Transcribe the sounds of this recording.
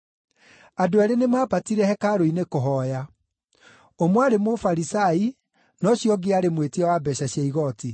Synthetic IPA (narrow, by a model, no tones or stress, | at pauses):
adoaɾenemaːpatiɾɛhɛkaɾoinekoɦɔːja | omwaɾemofaɾisai | nɔɕjɔɡeaɾemwetiawabɛɕaɕjaiɣɔti